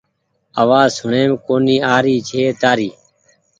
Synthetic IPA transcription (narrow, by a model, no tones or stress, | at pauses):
əʋaːzʊɳeːmkoːniːaːɾiːt͡ʃʰeːt̪aːɾiː